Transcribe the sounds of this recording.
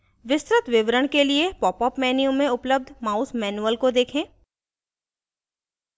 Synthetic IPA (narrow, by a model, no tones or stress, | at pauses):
ʋɪst̪ɾɪt̪ʋɪʋɾəɽ̃keliepɔːpɔːpmɛːnijũmẽʊpləb̚d̪ʱmaːʊsmɛːnuəlkod̪eːkʰẽː